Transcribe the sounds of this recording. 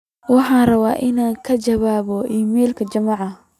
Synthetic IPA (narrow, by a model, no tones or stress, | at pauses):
wɑħɑːnrɐβa̰ːʔɪnaːŋkʰɐt͡ʃɐβaːβɔʔiːmɛːlkʰɐt͡ʃɐmɑʕɑ